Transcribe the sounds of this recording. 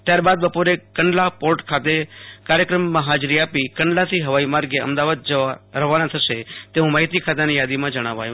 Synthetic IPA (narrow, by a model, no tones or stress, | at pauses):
t̪jaɾbad̪bəpoɾekəɳɖlapoɾʈkʰat̪ekaɾjəkɾəmːãɦad͡ʒɾiapikəɳɖlasiɦəʋaimaɾɡeə̰md̪aʋad̪̚d͡ʒəɾəʋanãt̪ʰəʃet̪eũmaːɦit̪ikʰat̪̬anijad̪imãd͡ʒəɽ̃aʋa̰jũ